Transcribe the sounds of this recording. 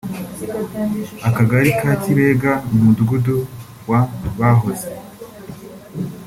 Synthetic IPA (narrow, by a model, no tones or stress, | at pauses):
akaɡaɾikaːtiβeːɡamudɡudu | waβaɦo̞ze